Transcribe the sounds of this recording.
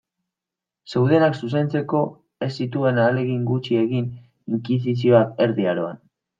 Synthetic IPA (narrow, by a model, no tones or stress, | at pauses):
se̞wðe̞naksus̬e̞nt͡se̞ko̞ | e̞sːit̪ue̞nale̞ɣiŋɡut͡ʃie̞ɣin | iŋkis̬is̬io̞ake̞ɾðiaɾo̞a̰n